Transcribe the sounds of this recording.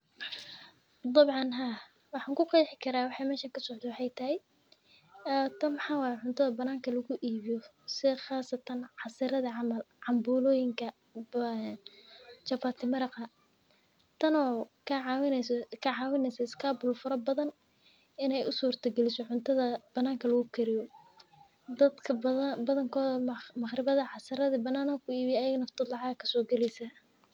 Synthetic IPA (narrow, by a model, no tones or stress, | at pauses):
d̪ɑbʕɑnɦa | wɑħɑːŋkʰʊqɑjħɪkʰɐɾaːwɑħɑjmɛːʃaŋkʰɐsɔʕd̪ɛwɑħɑjt̪ʰɐɦɛj | t̪ʰɐnmħɑːwɑːhjɛʕʊnt̪ʰɐðɐbɐnaːŋkʰɐlɐɣʊʔiːβɪjɔ | sɪχɑːsɐt̪ʰɐnʕɑsɪɾɐðɐʕɑmɐl | ʕɑmbuːlɔːjɪŋkʰɐ | nt͡ʃɐfaːt̪ʰɪmɐɾɑqɐ | t̪ʰɐnɔːkʰɐʕwkʰɐʕɑːwɪnɛsɐɪskʰaːbʊlfʊɾɐbɐðɐn | ɪnɛjʊsuːrt̪ʰɐɡɛlɪsɔʕʊnt̪ʰɐðɐb̥ɐnːaːŋkʰɐlɐɣʊkʰɛɾɪjɔ | d̪ɐd̪kʰɐbɐðɐŋkʰɔːðɐmɐχrɪβɐðɐʕɑsɪɾɐðɐbɐnːaːnɐkʰʊiːβɪjɛːjɐɣɐnɐft̪ʰɐd̪lɑʕɑɣɐkʰɐ̥sɔːɡɛlɛjsɐ